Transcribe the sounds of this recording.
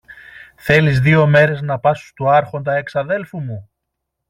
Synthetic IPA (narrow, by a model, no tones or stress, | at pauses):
θe̞lizðio̞me̞ɾe̞znɐpɐsu̥st̪uɐɾxo̞nd̪ɐe̞ksɐðe̞lfumu